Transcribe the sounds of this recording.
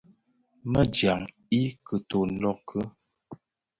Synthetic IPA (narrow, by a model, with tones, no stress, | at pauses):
mə˦d͡ʒja˨ŋ | i˦kə˨to˨n̩˦lɔ˦˨kʰə˦